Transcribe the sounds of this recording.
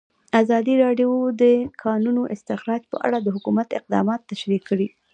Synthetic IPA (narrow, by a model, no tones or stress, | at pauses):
azɑd̪iɾɑɖjod̪əkʰɑnunoʔɪst̪ɪxɾɑd͡ʒpə̰ʔa̰ɽad̪əɦʊkumat̪ɪq̚d̪ɑ̰mɑt̪ːaʃɾikːəɽi